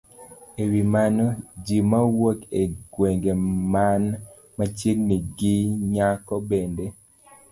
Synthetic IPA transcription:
ewimanod͡ʒimawokeɡweŋɡeman | mat͡ʃjeŋniɡiɲakɔbende

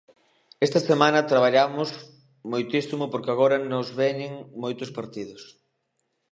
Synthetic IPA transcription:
est̪ɐsemãnɐt̪ɾaβ̞aʎamʊz | mojt̪isimʊpoɾkɪaɣ̞oɾɐnozβeɲɪŋmojt̪ʊspaɾt̪ið̞ʊs

